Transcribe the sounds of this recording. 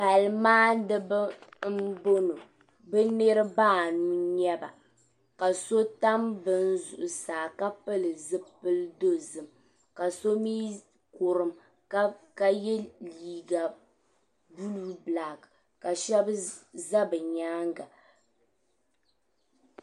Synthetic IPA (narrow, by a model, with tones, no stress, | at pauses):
pa˨lmaː˦dɨ˦bɨ˦m̩˦bo˦no˨ | bɛ˦ne˦ɾɨ˦baː˦˨nuː˦ɲɛ˦ba̰˨ | ka˨so˦ta˦mbɨ˦n˦zʊ˨ʔʊ˨saː˨ka˦pɨ˦lɨ˨zɨ˦pɨ˦ldo˦zɨ˨m | ka˨so˦miː˦ | ko˨ɾɨ˨m | ka˦ka˦jɛ˦liː˨ɡa˨ | bu˦lu˦bla˨ɡ | ka˨ʃɛ˦bza˦bɨ˨ɲaː˦ŋɡa˨